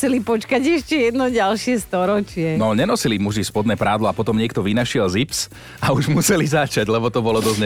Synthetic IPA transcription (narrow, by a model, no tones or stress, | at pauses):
sɛlipɔt͡ʃkaɟɛʃcɛjɛd̪nɔɟalʃɪɛst̪ɔɾɔt͡ʃɪɛnɔɲɛnɔsilimuʒispɔd̪nɛːpɾaːd̪lɔapɔt̪ɔmɲɪɛk̚t̪ɔʋinaʃɪɛlzips | auʒmusɛlizat͡ʃaɟlɛbɔt̪ɔbɔlɔd̪ɔzɲ